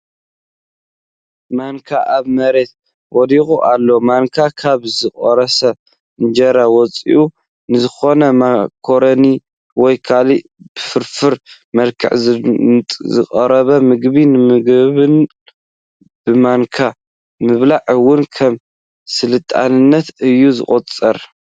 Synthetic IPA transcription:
maŋkʰaʔaβmɐɾe̞t̪̚ | wɔd̪ixuʔalːo̞maŋkʰakʰaβzɨχʼɔɾɐsɐ | ɨnd͡ʒɐɾawɔt͡sʼḭʔu | nɨzɨxo̞nɐmkʰoɾɐni | wɔjkʰalib̥ɨfɨɾfɨɾ | mɐlkʰɨ̰ʕʼ | zɨχʼɐɾɐβɐmɨɡβinɨmɨɡβɨn | b̥ɨmaŋkʰa | mɨβlaʕwːʊnkʰɐm | sɨlɨt̪ʼa̰nɨnːɐt̪ɨjːuzɨ̰χʼɔt͡sʼɐɾ

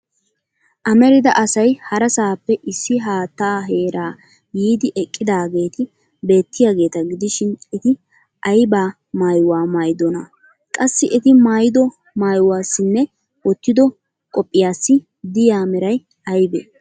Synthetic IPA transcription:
ʔɐmɛɾɪd̪ɐʔɐsɐjhɐɾɐsaːpːɛʔɪsːɪɦaːt̪ːaːɦe̞ːɾaː | jiːd̪ɪʔɛkʼːɪd̪aːɡe̞ːt̪ɪ | be̞ːt̪ːɪjaːɡe̞ːt̪ɐɡɪd̪ɪʃɪnɛt̪ɪ | ʔɐjbaː | maːjwaːmaːjd̪ɔnɐ | kʼɐsːɪʔɛt̪ɪmaːjɪd̪ɔ | maːjwaːsːɪnːɛ | wɔt̪ːɪd̪ɔ | kʼɔpʼːɪjaːsːɪ | d̪ɪjaːmɛɾɐj | ɐjbɛ

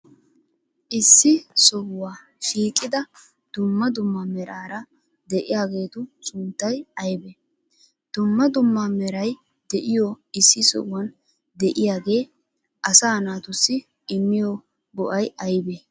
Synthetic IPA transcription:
ʔɪsːɪsɔhwaː | ʃiːkʼɪd̪ɐ | d̪̥ʊmːɐd̪ʊmːɐmɛɾʔaːɾɐ | d̪ɛʔɪjaːɡe̞ːt̪ʊsʊnt̪ːɐjɐjbɛ | d̪̥ʊmːɐd̪ʊmːamɛɾɐj | d̪ɛʔɪjo | ɪsːɪsɔ̰ʔwɐn | d̪ɛʔɪjaːɡe̞ː | ʔɐsaːnaːt̪ʊsːɪ | ɪmːɪjo | bɔʔɐjɐjbe

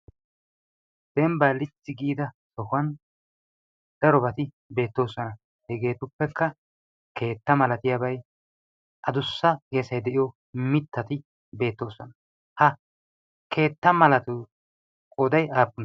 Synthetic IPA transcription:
d̪̥ɛmbalɪt͡sːɪɡiːd̪ɐ | sɔhʊɐn | d̪̥ɛɾɔbɐt̪ɪ | be̞ːt̪ːo̞ːsɔnɐ | hɛɡe̞ːt̪ʊpːɛkːɐ | ke̞ːt̪ːɐmɐlɐt̪ɪjabɐj | ʔɐd̪ʊsːɐkeːsɐjd̪ɛʔɪjɔ | mɪt̪ːɐt̪ɪ | be̞ːt̪ːo̞ːsɔnɐ | hɐ | kʰe̞ːt̪ːɐmɐlɐt̪ʊ | kʼod̪ɐjaːpːʊn

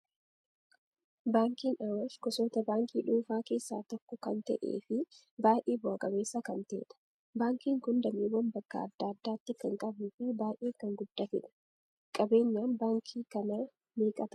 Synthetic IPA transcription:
baːŋkiːnɐwɐskɔsoːt̪ɐbaːŋkʰʼiːᶑuːfaːke̞ːsːaːt̪ɔkːɔkɐnt̪ɐ̰ʔḛːfɪ | baːjʔeːbɔɐkʼɐbe̞ːsːɐkɐnt̪ɛ̰ːᶑ̪ɐ̥ | baːŋkiːŋkʊnd̪ɐmiːwːɐmbɐkːɐ̰ɐ̰d̪ːaːd̪ːaːt̪ːɪkɐŋkʼɐbufɪbaːjʔeːkɐŋɡʊd̪ːafɪ̰ᶑɐ̥ | kʼɐbe̞ːɲːaːnbaːŋkʰiːkɐnɐ | meːkʼɐt̪ɐ̥

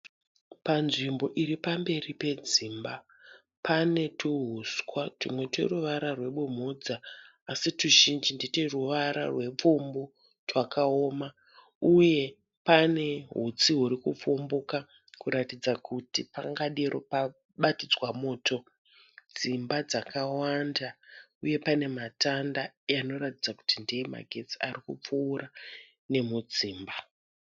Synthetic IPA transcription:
panʐimbo̞ʔiɾipambe̞ripe̞d͡ziːmba | pane̞tʰuɦuskwatumwe̞tḛruʋaɾarwe̞ɓum̤ud͡zaː | situʒind͡ʒinditeruʋaɾa̰rwe̞p͡fumbu | twakaoːma | uje̞ | pane̞ɦut͡siɦuɾikup͡fombuka | kuɾatid͡zakʰutipaŋɡaɗiɾʔo̰pa | ɓatid͡zwamo̞ːto̞ | d͡zimbad͡zakawandauje̞pane̞matandajano̞ɾatid͡zaku̥tindijema̰ɡʱe̞t͡sia̰rikup͡fuːɾa | ne̞mud͡ziːmba

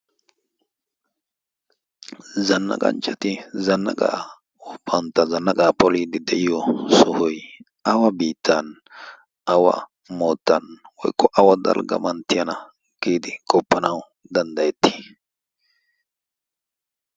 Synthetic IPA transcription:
zɐnːɐ̰kʼɐ̰nt͡ʃʼːɐt̪ɪzɐnːɐkʼa̰ʔ | ɔpʰːɐnt̪ːɐzɐnːɐkʼɐpɔliːd̪ɪd̪ɛʔɪjɔsʊhʊj | ɐwɐbiːt̪ʰːɐn | ɐwɐ̰ | moːt̪ːɐnwɔ̰jkːɔʔɐwɐd̪ɐ̰lɡɐ̰mɐnt̪ːɪjɐnɐ | ɡ̥iːd̪ɪkʼɔpːɐnɐw | d̪ɐnd̪ɐjɛt̪ːi̥ː

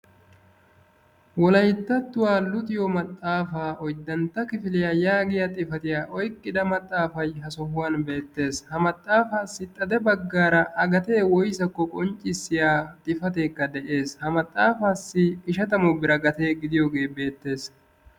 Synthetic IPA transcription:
wɔlɐjt̪ːɐt̪ːʊwaːlʊt̪ɪjɔmɐt̪ʼːaːfaːʔɔjd̪ːɐnt̪ːɐkɪfɪlɪjaːjaːɡɪjat̪ʼɪfɐt̪ɪjaːʔɔjkʼːɪd̪ɐmɐt̪ʼːaːfɐjɦɐsɔhʊwaːnbe̞ːt̪ːe̞ːshɐmɐt̪ʼːaːfaːsːɪt̪ʼːɐd̪ɛbɐɡːaːɾɐʔɐɡɐt̪e̞ːwɔjsɐkːɔkʼɔnt͡ʃʼɪsːɪjaːt̪ʼɪfɐt̪̬e̞ːkːɐd̪ɛʔe̞ːshɐmɐt̪ʼːaːfaːsːɪɪʃɐt̪ɐmɔbɪɾɐɡɐt̪e̞ːɡɪd̪ɪjoːɡe̞ːbe̞ːt̪ːe̞ːs

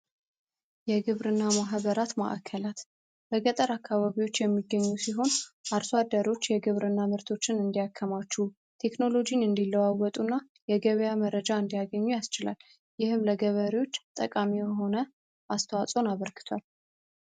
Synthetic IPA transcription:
jɛɡɨβɾɨnːamaɦβəɾat̪ma̰ʔkʰːəlat̪ | b̥əɡət̪ʼəɾakːaβaβiwo̞t͡ʃːjɛmːiɡːəɲːusiɦo̞nʔaɾswad̪ːəɾo̞t͡ʃːjɛɡɨβɾɨnːamɨɾt̪ʰo̞t͡ʃːɪnɨnd̪ijakʰːəmat͡ʃːu | t̪ʰe̞kno̞lo̞d͡ʒinɨnd̪ilːəwawɔt̪ʼunːa | jɛɡəβəjaməɾəd͡ʒaɨnd̪ijaɡəɲːujast͡ʃɪla̰lː | jɪhɨmləɡəβəɾiwo̞t͡ʃːt̪ʼə̰kʼamijɛɦo̞nə | ʔast̪ʰəwat͡sʼo̞naβəɾɡɨ̥t̪ʰwal

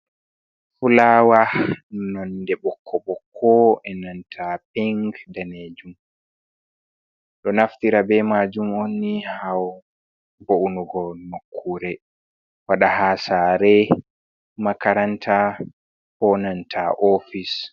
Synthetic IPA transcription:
fulaːwanɔndɛɓɔkʰːɔɓɔkʰːɔʔɛnantʰapɛŋɡdaned͡ʒum | ɗɔnaftiɾabɛmaːd͡ʒumonːihaw | boʔunuɡɔnokʰːuɾɛ | waɗahasaːɾɛ | makaɾantʰa | hɔnantʰaʔofis

